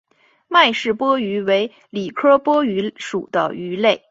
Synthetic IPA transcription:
ma˥˧ɪʂɻ̩˥˩pwɔ˥y˧˥we˧˥ɪ | li˨˩kʰɤ˥pwɔ˥y˧˥ʂu˨˩d̪ə̰˦y˧˥le˥˩ɪ

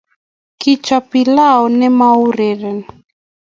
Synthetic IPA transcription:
kɪ˦t͡ʃɔ˨pi˨la˦ɔ˨nɛ˦ma˦u˦ɾe˨ɾɛ˨n

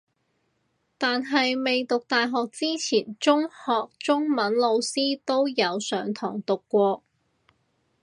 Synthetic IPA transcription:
t̪aː˨nɦɐ˨jme˨jt̪ʊ˨k̚t̪aː˨jɦɔː˨k̚t͡siː˥t͡sʰiː˨˩nt͡sʊ˥ŋhɔː˨k̚t͡sʊ˥ŋmɐ˨˥nlo˨˧wsiː˥t̪o˥wjɐ˨˧wsœː˨˥ŋt̪ʰɔ̰ː˨˩ŋt̪ʊ˨kːʷɔː˧

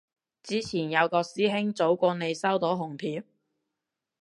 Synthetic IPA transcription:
t͡siː˨˥t͡sʰiː˨˩njɐ˨˧wkɔː˧siː˥ɦɪ˥ŋt͡so˨˥wkʷɔː˧ne˨˧jsɐ˥wt̪o˨˥ɦʊ˨˩ŋpʰiː˨˥m

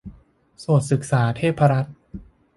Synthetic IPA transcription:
so˨˩t̪̚sɯ˨˩k̚saː˩˦t̪ʰeː˥˩pʰːa˧ɾa˦˥t̪̚

